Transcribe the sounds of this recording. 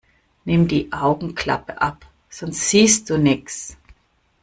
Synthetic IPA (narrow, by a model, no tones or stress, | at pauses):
nɪmdiːʔaʊɡŋ̩kl̥a̰pəʔap | z̥ɔnstz̥iːstd̥uːnɪks